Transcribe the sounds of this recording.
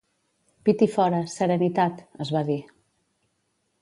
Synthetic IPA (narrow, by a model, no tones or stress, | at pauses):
pit̪ifɔɾəsəɾənit̪at̪əzβaði